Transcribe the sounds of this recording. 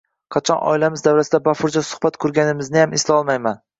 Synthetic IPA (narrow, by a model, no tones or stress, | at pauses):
qʰɑt͡ʃʰɒnɒ̰ɪlamɪzd̪awɾasɪd̪abafʊɾd͡ʒɒsʊ̥hbat̪kʰɵɾɡʲanɪmɪznɪjamɪslaɒlˠmajman